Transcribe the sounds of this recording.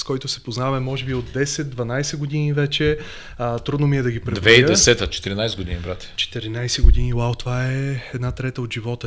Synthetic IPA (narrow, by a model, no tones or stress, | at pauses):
skɔjt̪ʊsɛ̥poznavɐmɛmɔʒɛbiod̪d̪ɛsɛt̪̚d̪vɐnajsɛɡod̪inivɛt͡ʃɛ | t̪ɾud̪nomiɛd̪ɐɡipɾɛd̪vɛiɛsɛt̪ət͡ʃɛ̥t̪iɾinajsɛd̪ɡod̪inibɾat̪ʲɛ̥t͡ʃɛ̥t̪ɛɾinajsɛɡod̪iniwawt̪ovaɛɛd̪nat̪ɾɛt̪əot̪ʒivɔt̪ə